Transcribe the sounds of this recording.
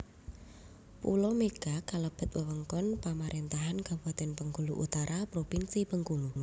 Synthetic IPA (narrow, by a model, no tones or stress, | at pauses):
pṵlɔmeɡ̥akaləb̥ə̤t̪̚wəwəŋkɔnpamaɾʔent̪aɦankabuat̪ɛnpəŋɡuluʔṵt̪aɾʔapɾopinsipəŋɡuŋ